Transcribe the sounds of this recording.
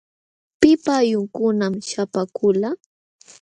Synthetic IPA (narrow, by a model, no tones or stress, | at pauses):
pɪpajʊŋkʊnamʃapakʊla